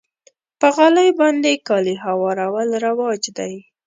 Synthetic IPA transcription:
pəɣaləjbɑnd̪ekɑliɦawɑɾawalɾawɑd͡ʒd̪aj

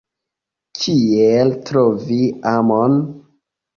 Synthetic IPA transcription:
kʰieltɾoviamon

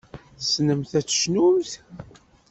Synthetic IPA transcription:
θəsnəmθæt͡sːə̥ʃnumθ

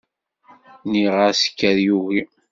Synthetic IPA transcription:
niʁəsə̥kːæɾjuɣi

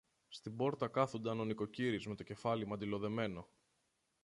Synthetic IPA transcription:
st̪ibo̞ɾt̪ɐkɐθund̪ɐno̞niko̞ciɾizme̞t̪oce̞fɐlimɐnd̪ilo̞ðe̞me̞no̞

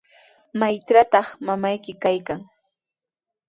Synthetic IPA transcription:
majt͡ʃɾat̪ɑχmamajkɪkajkaŋ

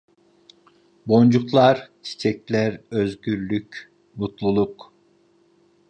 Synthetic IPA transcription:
bo̞nd͡ʒuklˠaɾt͡ʃʰi̥t͡ʃʰɛclʲæɾøzɟyɾlʲycʲ | mut̪lˠulˠuq

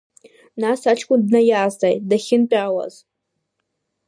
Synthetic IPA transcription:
nasat͡ʃʰkʷʼʊndnajaːztʼajtdaχʲɪnpʼawa̰z

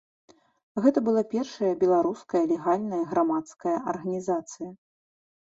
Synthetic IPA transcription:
ɣɛt̪ɐbɨlˠapʲɛrʂɐjɐbʲɛlˠaɾuskɐjɐlʲɛɣalʲnɐjɐɣɾamat̪skɐjɐʔɐrɣɐnʲizat̪sɨjɐ

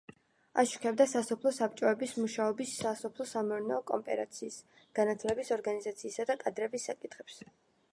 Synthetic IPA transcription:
a̰ʃu̥kʰɛb̚d̪asasɔpʰlˠɔsap̚t͡ʃʼɔɛbismuʃaɔbisasɔpʰlˠɔsamɛɾnɔkʼɔ̰mpʼɛ̰ɾa̰t̪sʰiːs | ɡ̥anat̪ʰlɛbisɔɾɡanizat̪sʰiːsad̪akʼad̪ɾɛbisːakʼit̪ʰχɛps

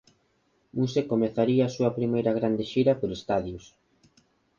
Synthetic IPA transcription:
musekomeθaɾiɐːsuɐpɾimejɾɐɣ̞ɾand̪eʃiɾɐpoɾest̪aðjʊs

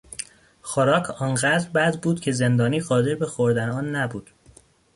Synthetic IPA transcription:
xoɾɒːkʰɒːnɢæd̪ɾbæd̪ɾbuːd̪cʲʰe̞ze̞nd̪ɒːniːɢɒːd̪e̞ɾbe̞xoɾd̪æneɒːnːæbuːd̪̥

